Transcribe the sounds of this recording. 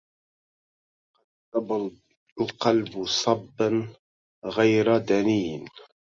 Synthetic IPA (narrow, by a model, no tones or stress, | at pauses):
qɑ | ɑba | lqɑlbsˤɑbːan | ɣajɾad̪aniːn